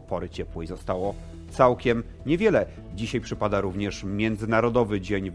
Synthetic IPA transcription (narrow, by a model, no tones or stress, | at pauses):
pɔɾɘt͡ɕɛpwɛizɔst̪awɔ | t̪sawkʲɛm | ɲɛvʲjɛlɛ | d͡ʑiɕajpʂɘpad̪aɾuvɲɛʂmʲjɛnd̪zɘnaɾɔd̪ɔvɘd͡ʑeɲ